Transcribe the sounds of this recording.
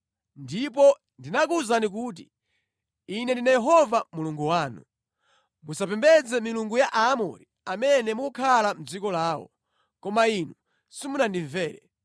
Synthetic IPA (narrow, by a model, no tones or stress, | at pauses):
ndip̬ɔ | ndinakuzanik̬uːt̬i | inɛndinajɛɦɔvamuluŋɡuwaːnu | musapɛmbɛd͡zɛmiluŋɡujaʔaːmɔ̰ɾi | amɛnɛmukʰalam̩d͡zikɔlaːwɔ̰ | kɔmainu | simunandiɱvɛːɾɛ̰